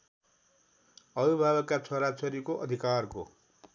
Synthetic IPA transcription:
ʌbibʱabʌkat͡sʰoɾat͡sʌɾikoʔʌd̪ʱikarko̰

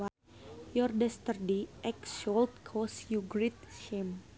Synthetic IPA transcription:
a | jɔrdɛst̪ərdeʔɛksɔlt̪̚kʰɔsjuɡɾit̪̚ʃɛm

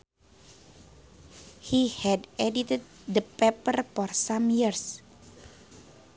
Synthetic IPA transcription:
hihɛdʔɛdit̪əd̚ | dəpɛpərfɔrsamjirs

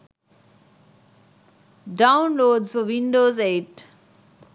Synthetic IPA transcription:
ɖãʊ̃nloːɖzfɔʋĩnɖoːzeːʈ

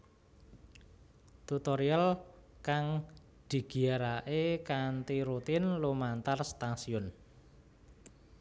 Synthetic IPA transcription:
t̪ut̪oɾial | kaŋ | d̪̥i̤ɡ̥i̤aɾaʔekant̪iɾut̪ɪnlumant̪arst̪asiʊn

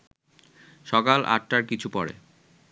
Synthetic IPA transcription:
ʃɔkalʔa̰ʈʈaɾkit͡ɕʰupɔɽḛ

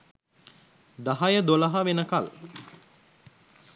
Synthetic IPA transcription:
d̪aɦajəd̪olɐɦaʋenəkal

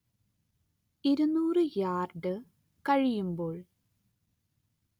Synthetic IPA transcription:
iɾunːuːrɨjaːrɖɨ | kɐɻijumbo̞ːɭ

